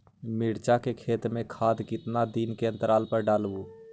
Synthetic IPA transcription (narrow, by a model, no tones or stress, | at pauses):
mɪɽt͡ʃakekʰeːt̪ɾmẽkʰaːd̪kɪt̪nad̪inkeə̃nt̪əɾaːlpəɾɖaːlʋuː